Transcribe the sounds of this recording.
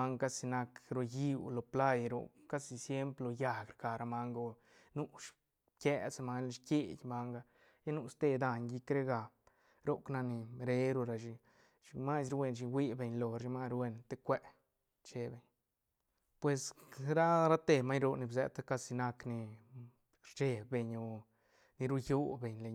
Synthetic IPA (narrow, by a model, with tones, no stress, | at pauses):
a˦ŋka˦˧si˧na˧kɾo˧ji˦wlo˨pla˦jɾo̰˧ka˦si˧sje˦mplo˧ja˨ɡɾɡa˨ɾa˧ma˧ŋɡo˧ | nu˦ʃ | kʲe˧sma˧n˧ʃkʲe˦˧˨jʲma˧ŋɡa˧ | ja˦nu˧st̪e˧d̪a˧ɲɡi˧kɾe˦ɡa˨ | ɾo˦kna˧ni˨ɾe˧ɾo˧ɾa˨ʃi˧ | ʃi˧ma˦sɾwe˧˨nʃ̬i˧wi˦be˨ɲlo˨ɾʃi˧ma˧ɾwe˧nt̪e˦kʷe˧ʔ | t͡ʃe˧be˧˨ɲ | pwe˨sɾa˦ɾa˦t̪e˧ma˦ɲɾo˧ni˧bzɛ̰˧t̪a˦ka˧si˧na˧kni˧ | ɾt͡ʃe˧˨be˨ɲo˧ | ni˧ɾu˦ju˦be˨ɲle˧˨ɲ